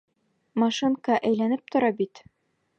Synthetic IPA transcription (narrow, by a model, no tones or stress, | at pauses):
mɑʃɨŋkɑʔæjlænɘp̚t̪ŏɾɑbit̪